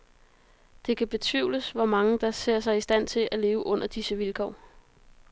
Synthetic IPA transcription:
d̥e̝kʰæb̥e̝t͡sʰʋḭʊ̰ləsʋɒmɑ̈ŋəd̥ɑ̈se̝ɐ̰sɑ̈ɪisd̥æn̰t͡sʰe̝ʔæle̝ːʊəʔɔ̽n̰ɐd̥isəʋilkʰɒ̰ː

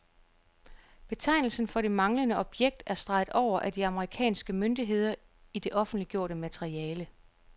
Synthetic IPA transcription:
b̥e̝t͡sʰɑ̈ɪnl̩sn̩fɒ̽ɾ̥e̝mɑ̈ŋlənəɒ̽b̥jeɡ̥̚d̥æɐsd̥ʁɑ̈ɪð̥̩ˠɒʊ̰ɐʔæd̥iɑ̈məʁikʰɛ̰ːnsɡ̥əmønd̥iɦe̝ð̞̰ˠɐ | id̥e̝ʔɒ̽fn̩d̥liɡ̥jo̝ɐ̰ɾ̥əmæt͡sʰeʁiɛːlə

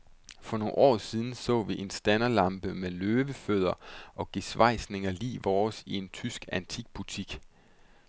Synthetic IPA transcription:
fɒ̽no̝ʔɒ̰ːsiðˠn̩sɔ̰̽ːʋiʔe̝nsd̥ænɐlɑ̈mb̥əmeløːʋəføð̞ˠɐʔɒ̽ɡ̥esʋɑ̈ɪ̰sne̝ŋɐlḭːʋɒːsie̝nt͡sʰysɡ̥ænt͡sʰiɡ̥̚b̥ut͡sʰiɡ̥

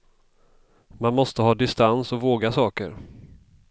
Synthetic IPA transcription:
manmɔst̪əɦɑːd̪ɪst̪ansɔvoːɡasɑːkə̰ɾ

